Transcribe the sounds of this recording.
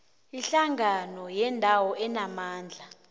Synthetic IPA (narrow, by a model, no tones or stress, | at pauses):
iɬaŋanɔjɛndʱawɔʔɛnamaːnd͡ɮʱa